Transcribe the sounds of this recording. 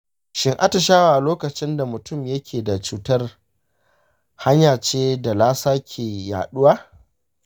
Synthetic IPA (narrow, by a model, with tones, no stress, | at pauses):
ʃɪ˦ŋʔa˦ta˨ʃaː˦waː˨loː˦kɐ˨t͡ʃɪ˦nda˨mʊ˨tʊ˦˨mjɐ˦kʲʰeː˨da˨t͡ʃuː˦tɐ˦r | ha˦ɲjaː˨t͡ʃeː˦da˨laː˦saː˦kʲʰeː˨ja̰ː˨ɗʊ˦waː˦